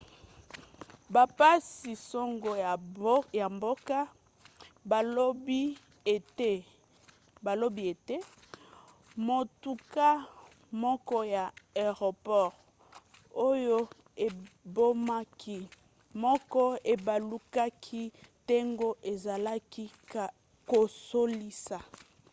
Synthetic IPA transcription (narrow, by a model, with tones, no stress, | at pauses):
ba˨pa˦si˨so˦ŋɡo˨˦ja˨mbo˦ka˦ | ba˨lo˦bi˦˨ | e˦ | ba˨lo˦bi˦e˨te˦ | mo˨tu˨ka˦ | mɔ˦kɔ˦ja˨e˨ʁo˨pɔ˦˨ʁ | o˦jo˦ | e˨bo˦ma˦kʰi˦ | mɔ˦kɔ˦e˨ba˨lu˦ka˦kʰi˦te˦ŋɡo˦ʔe˨za˨la˦ki˦ka˨ | ko˨so˦li˦sa˨